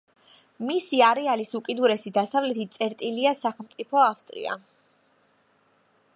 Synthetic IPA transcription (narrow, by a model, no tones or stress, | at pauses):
misiaɾɛalisukʼid̪uɾɛsid̪asavlɛt̪ʰit̪t̪sʼɛɾt̪ʼiliasaχɛlˠmt̪sʼipʰɔaft̪ʼɾḭa̰